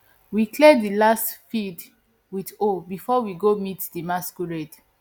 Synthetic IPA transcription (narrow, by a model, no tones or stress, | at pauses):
wikʰledilastfid | witobifɔwiɡomitdimaskuɹɛd